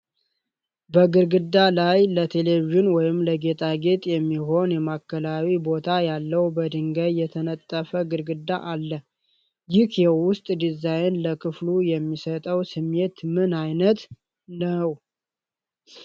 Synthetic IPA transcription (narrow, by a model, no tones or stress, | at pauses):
bəɡɨɾɡɨd̪ːalajlət̪ʰe̞leviʒɪnwɔjɪmləɡe̞t̪ʰʼaɡe̞t̪ʼjɛmːiɦo̞njɛmakːəlawibo̞t̪ʰajalːəwbəd̪ɨŋɡəjjɛt̪ʰənət̪ʼːəfəɡɨɾɡɨd̪aʔalːə | jɪhjɛwʊst̪ʼd̪izajnləkʰɨflujɛmːisət̪ʼəwsɨmːe̞t̪mɨnajnət̪ | nəw